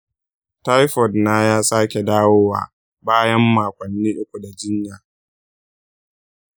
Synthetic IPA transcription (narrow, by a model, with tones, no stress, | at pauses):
ta˦jɸɔ˨dna˦jaː˦saː˦kʲe˨daː˦woː˦wa̰ː˨ | baː˦jɐ˦mːaː˨kʷɐ˨nːiː˦ʔʊ˦kʷu˨da˨d͡ʒɪ˦ɲjaː˨